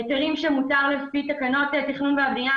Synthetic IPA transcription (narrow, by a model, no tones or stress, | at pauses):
eteʁimʃemutaʁlesfit̪akano̞t̪eat̪iχnumveabʁia